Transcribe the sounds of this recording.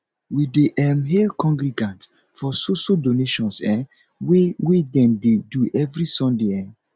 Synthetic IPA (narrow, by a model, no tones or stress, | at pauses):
wideʔɛmɦelkɔ̃ŋɡɾiɡãnt | fɔsoʃodoneʃɔ̃nsɛ | wewedɛ̃mdeduʔɛvɹisɔ̃ndeɛ